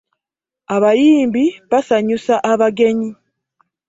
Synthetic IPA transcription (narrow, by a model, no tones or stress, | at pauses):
aβajiːmbiβasaɲusaʔaβaɡe̞ɲi